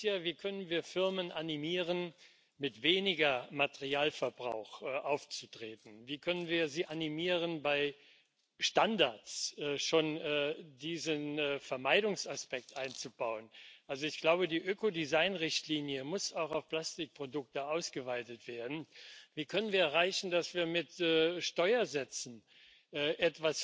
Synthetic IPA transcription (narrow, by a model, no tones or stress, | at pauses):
jaːviːkʰœnənviːɐfɪʁmənʔanimiːʁən | mɪtv̥eːnɪɡɐmateʁiaːlfɛɐbʁaʊxʔaʊft͡sutʁ̥eːtn̩viːkʰœnənviːɐziːʔanimiːʁənbaɪ | ʃtandaɐt͡sʔɛːʃoːnɛdiːzənːfɛɐmaɪdʊŋsaspɛk̚tʔaɪnt͡subaʊənʔalzoɪçɡ̥laʊbədiːʔøːkodizaɪnʁɪçtliːnjəmʊsaʊxaʊfpl̥astɪk̚pʁ̥odʊk̚təʔaʊsɡ̥əvaɪtətv̥eːɐdn̩viːkʰœnənviːɐɛʁaɪçn̩dasv̥iːɐmɪtɛːʃtɔʏɐzɛt͡sn̩ | ʔɛːʔɛtv̥as